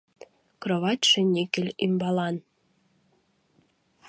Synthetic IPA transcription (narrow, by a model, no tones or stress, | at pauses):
kroβɑt̪ʲʃĕnʲikɘ̆lʲimbɑlˠɑn